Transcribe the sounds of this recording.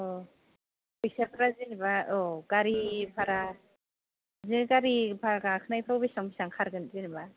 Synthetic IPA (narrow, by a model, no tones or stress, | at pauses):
ɔ | bisapʰɾazinibaɔɡ̥aɾipʰaɾa | ziɡaɾibʰaɾɡakʰɯnajpʰɾɔwbisɔŋbisaŋkʰaɾɡɯnzinba